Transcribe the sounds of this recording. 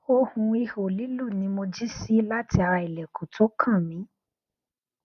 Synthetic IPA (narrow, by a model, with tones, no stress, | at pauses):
o˧hũ˧i˧ho˨li˨˦lu˦˨nĩ˨˦mo˧d͡ʒi˦si˦la˦ti˧a˨˧ɾa˧i˨lɛ˨ku˨tʰo˨˦kʰã˦˨mĩ˨˦